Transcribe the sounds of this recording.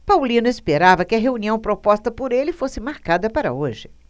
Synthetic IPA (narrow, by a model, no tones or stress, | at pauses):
pawlĩnʊespeɾavɐkɪɐɦeũniɐ̃w̃pɾopɔst̪ɐpoɾelɪfosɪmaɾkad̪ɐpaɾɐ̰oʒɪ